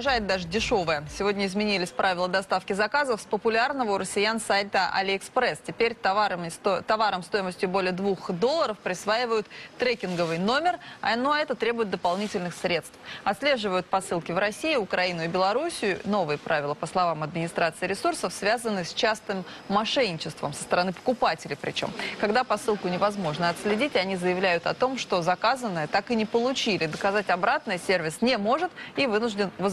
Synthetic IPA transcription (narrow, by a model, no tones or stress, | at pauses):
ʐajɪt̪̚d̪aʐɨdʲɪʂo̞vəjəsʲɪvo̞dʲnʲəɪzmʲɪnʲilʲɪsʲpɾʔavʲɪlˠəd̪ɐst̪afkʲɪzɐkazəfspəpʊlʲarnəvəʊɾəsʲɪjansajt̪əʔa̰lʲɪɪkspɾɛstʲɪpʲeɾʲ | t̪ɐvaɾəmst̪o̞jɪməsʲtʲjʊbo̞lʲɪjəd̪vuxd̪o̞lˠːəɾəfpɾʲɪsvaɪvəjʊt̪ːɾɛkʲɪnɡəvɨjno̞mʲɪrɐ̰noɐɛt̪ət̪ɾʲe̞bʊjɪt̪̚d̪əpɐlˠnʲitʲɪlʲnɨxsɾʲe̞t̪st̪fɐt̪sʲlʲe̞ʐɨvəjʊt̪̚pɐsɨlˠkʲɪvɾɐsʲijʊʊkɾɐinʊɪbʲɪlˠɐɾusʲɪjʊno̞vɨjəpɾavʲɪlˠəpəslˠɐvamɐd̪̚mʲɪnʲɪst̪ɾʔat̪sɨɪɾʲɪsursəfsvʲazənːɨsʲt͡ɕast̪ɨmːɐʂɛnʲːɪt͡ɕɪst̪və̰msəst̪əɾɐnɨpə̥kʊpatʲɪlʲɪpɾʲɪ̰t͡ɕo̞̰mkɐɡd̪apɐsɨlˠkʊnʲɪvɐzmo̞ʐnəɐt̪sʲlʲɪdʲitʲɪɐnʲizəjɪvlʲæjʊt̪ɐ̰t̪o̞mʂt̪o̞zɐkazənːəjət̪akɨnʲɪpəlˠʊt͡ɕilʲɪd̪əkɐzatʲɐbɾat̪nɨjəsʲervʲɪsnʲɪmo̞ʐɨt̪ivɨnʊʐdʲɪnvə